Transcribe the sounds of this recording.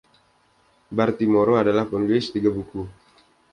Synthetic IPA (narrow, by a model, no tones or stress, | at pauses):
bart̪imoɾoadalahpɔnɡlɪst̪iɡabuku